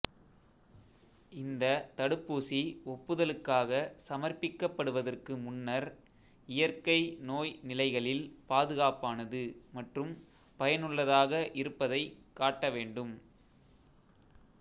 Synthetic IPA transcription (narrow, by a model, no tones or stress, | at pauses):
ɪnd̪ɐt̪ɐɽɯpːuːsiɔpːɯðɐlɯkːaːɣɐsɐmɐrpɪkːɐpːɐɽɯʋɐðɐrkɯmʊnːɐɾ | ɪjɐrkɐɪnoːjnɪlɐɪɣɐɭɪlpaːðɯɣaːpaːnɐðɯmɐʈrɯm | pɐjɐnɯɭːɐðaːɣɐʔɪɾɯpːɐðɐɪkːaːʈːɐʋeːɳɖɯm